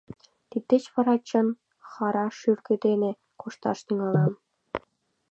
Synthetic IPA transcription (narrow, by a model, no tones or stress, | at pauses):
t̪it̪ʲːet͡ɕpɤ̆ɾɑt͡ɕɤ̆n | χɑɾɑʃyrkĕd̪enĕ | kuʃt̪ɑ̰ʃt̪yŋɑlˠɑm